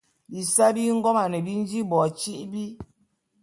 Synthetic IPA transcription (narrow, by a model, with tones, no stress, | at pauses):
bi˨sa˦bi˦ŋ̩˦ɡɔ˦ma˨nɛ˨bi˦n˦d͡ʒi˦bɔ˨t͡ʃi˦ʔbi˦